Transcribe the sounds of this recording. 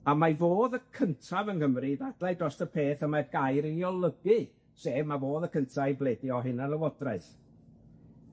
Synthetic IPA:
amavoːðəkʰəntʰavənɡəmriðadlˠajdrɔstəpʰeːθəmarɡajɾɪnjɔlˠəbɨ | seːvmavoːðəkʰəntʰaibleːdjɔɦɨnanəwɔdraɨθ

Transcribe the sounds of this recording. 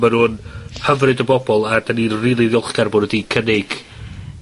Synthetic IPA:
manuːnhəvrɨdəbɔbɔlˠadaninriːlˠiðjʊlˠχɡ̥arbʊdədikʰənɪɡ̥

